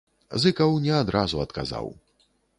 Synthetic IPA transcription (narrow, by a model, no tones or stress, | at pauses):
zɨkɐwnʲɛad̪ɾʔazuɐt̪ka̰za̰w